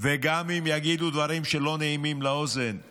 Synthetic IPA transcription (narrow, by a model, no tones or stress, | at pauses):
veɡamimjaɡid̪ud̪vaʁimʃelo̞neimimleozen